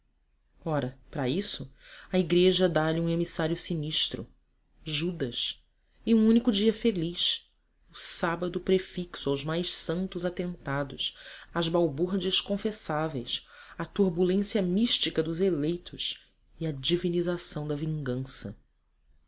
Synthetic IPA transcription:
ɔɾɐpɾɐisʊɐiɡɾeʒɐd̪aʎiũemisaɾjʊsiniʃt̪ɾʊ̰ | ʒud̪ɐs | ɪũũnikʊd͡ʒiɐfeliʃ | ʊsabɐd̪ʊpɾefiksʊawzmajʃsɐ̃nt̪ʊzat̪ẽnt̪ad̪ʊsɐzbawbuɾd͡ʒiɐʃkõfesavejs | ɐt̪uɾbulẽsiɐmiʃt͡ʃikɐd̪ʊzelejt̪ʰʊs | iɐd͡ʒivinizasɐ̃w̃d̪ɐvĩŋɡɐ̃sɐ

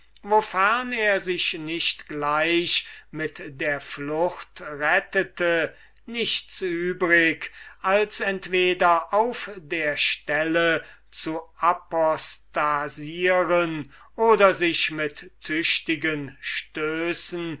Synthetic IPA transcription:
vofɛɐneːɐzɪʃnɪʃtɡ̥laɪʃmɪtdeːɐflʊxtʁɛtətə | nɪʃt͡syːbʁɪkʔalsɛntv̥eːdɐʔaʊfdeːɐʃtɛlət͡suʔapɔstaziːʁən | ʔoːdɐzɪʃmɪtːʰʏɕtɪɡənʃtøːsn̩

